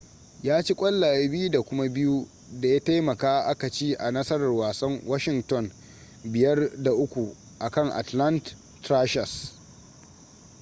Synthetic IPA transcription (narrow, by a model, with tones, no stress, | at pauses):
jaː˦t͡ʃi˦kʷʼɐ˦lːaː˨je˦bɪ˦ju˦da˨kʷʊ˦ma˦bɪ˦ju˦ | da˨jaː˦ta˦jmɐ˨kaː˦ʔa˦ka˨t͡ʃiː˦ʔa˨nɐ˦sɐ˦ɾɐ˨rwaː˨sɐ˦ŋwa˦ʃɪ˨ŋtɔ˦˨n | bɪ˨jɐ˦rda˨ʔʊ˦kʷu˨ | ʔa˨kɐ˦˨ŋʔa̰˨tla˦ntː | ɾaː˦ʃɐ˨s